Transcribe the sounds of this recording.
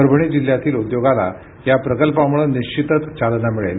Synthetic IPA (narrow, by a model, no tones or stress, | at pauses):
əɾbʱɳ̃id͡ʑil̤jat̪iːlud̪joɡala̰ | japɾəkəlpamuɭəniɕt͡ɕit̪ət͡st͡ɕalnamiɭḛl